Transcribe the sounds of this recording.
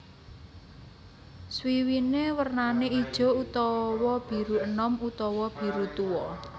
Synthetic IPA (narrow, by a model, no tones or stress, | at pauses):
swiwinewərnaneid̥ʒ̥ɔ̤ut̪ɔwɔb̥i̤ɾuənɔmut̪ɔwɔb̥i̤ɾut̪uwɔ